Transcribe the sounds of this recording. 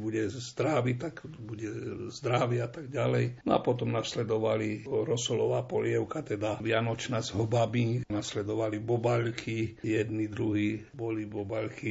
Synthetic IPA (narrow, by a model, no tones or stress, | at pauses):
buɟɛzd̪ɾaʋit̪akbuɟɛzd̪ɾaʋɪat̪aɡ̚ɟalɛjnɔa̰pɔt̪ɔmnaslɛd̪ɔʋaliɾɔsɔlɔʋaːpɔ̰lɪɛʊkat̪ɛd̪aʋɪanɔt͡ʃnazɦɔbabinaslɛd̪ɔʋalibɔbaʎkʰijɛd̪nid̪ɾuɦiːbɔlibɔbaʎki